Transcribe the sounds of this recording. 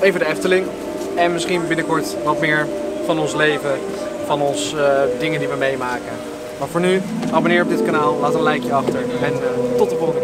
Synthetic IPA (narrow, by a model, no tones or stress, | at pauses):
ejvədəɛftəlɪŋ | ɛnmɪsχinbɪnəkɔɹtʋɑtmɪːɹvɑnɔnslejvə | fɑnɔnsdɪŋəndiʋəmejmaːkə | mafoːɹnyʔaːbonɪːɹɔb̚dɪtkanaːlˠlaːtənlɛjkjəɑχtəɹɛntɔtəbɔnə